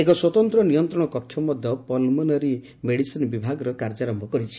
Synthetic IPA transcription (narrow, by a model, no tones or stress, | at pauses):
ekɔswɔt̪ɔnt̪ɾɔnijɔnt̪ɾɔɽ̃ɔkɔkʰːjɔmɔd̪ʱjɔpɔlmɔnɔɾi | meɽisinɔbibʱaɡɔɾɔkaɾd͡ʒaɾɔmbʱɔkɔɾit͡ʃʰi̥